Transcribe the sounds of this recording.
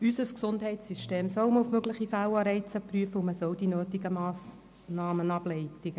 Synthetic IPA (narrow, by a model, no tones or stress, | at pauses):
ysəsksʊndhɛɪsyʃteːmsɔwmufmøɡlɪχifælɑɾɛɪt͡səpryəfəuməsɔld̥inøːtiɡəmɑːs | nɑːmənɑblɛɪtiɡə